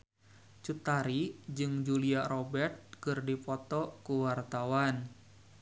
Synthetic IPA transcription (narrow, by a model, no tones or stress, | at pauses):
t͡ʃut̪aɾid͡ʒɨŋd͡ʒuliaɾɔbɛrt̪̚kɨrdipɔt̪ɔkuwart̪awan